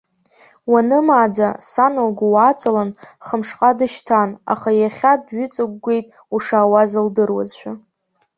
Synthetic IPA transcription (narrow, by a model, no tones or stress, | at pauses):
wanɨmaːd͡zasanɨlɡʷawat͡sʼalanχəmʂqʼadɨʃtʰana̰χajaχʲadɥʏt͡sʼɨɡʷɡʷe̞jtʼ | uʂaːwazɨldɨrwa̰zʃʷᶣa